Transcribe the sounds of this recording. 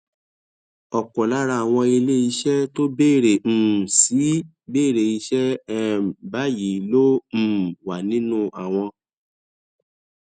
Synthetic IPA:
ɔ˨kɔ˨la˨˦ɾa˧a˨w̃ɔ̃˧i˧le˦i˧ʃɛ˦to˦beː˦˨ɾe˨m̩̃ː˦˨si˨˦ | beː˦˨ɾe˨i˧ʃɛ˦ɛ˦˧˨ba˦ji˨lõ˦˨ | wa˨nĩ˦nũ˦a˨w̃ɔ̃˧

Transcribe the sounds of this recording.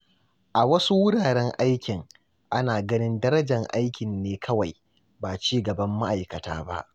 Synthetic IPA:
ʔa˨wɐ˦su˦wʊ˦ɽaː˨ɽɛ˦ŋʔa˦jkʲɪ˨ŋ | ʔa˦naː˨ɡɐ˦nɪ˦ndɐ˦ɾɐ˦d͡ʒɐ˨ŋʔa˦jkʲɪ˨nːeː˦kʰɐ˦wa˨j | baː˨t͡ʃiː˦ɡɐ˨bɐ˦mːa˦ʔa˨jkɐ˨ta̰ː˦ba̰˦ʔ

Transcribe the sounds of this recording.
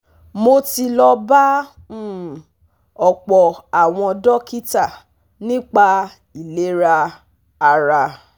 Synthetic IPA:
mo˧ti˧lɔ˧ba˦˨ | ɔ˨k͡pɔ˨a˨w̃ɔ̃˧dɔ˦ki˦ta˦˨ | nĩ˦k͡pa˧ | i˨le˨˦ɾa˧ | a˧ɾa˧

